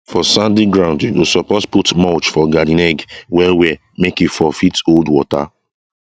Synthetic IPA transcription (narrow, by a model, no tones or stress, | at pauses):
fɔsãndiɡɹãʊ̃ndĩusɔpɔsputmɔt͡ʃfɔɡadĩnɛɡwɛwɛ | mekifɔfitoldwɔta̰